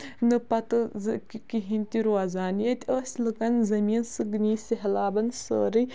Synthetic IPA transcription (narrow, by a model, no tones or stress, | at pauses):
nɨpɐt̪ɨzɨkikiɦinʲt̪iɾuazaːnjɐt̪ʲəːsʲlɨkɐnzɐmiːnsɨɡɨniːsiɦɐlaːbɐnsə̰ːɾɨ